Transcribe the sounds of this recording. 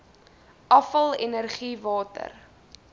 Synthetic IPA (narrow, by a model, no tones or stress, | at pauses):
ʔɐfəlˠɛnərχivɑːtə̰r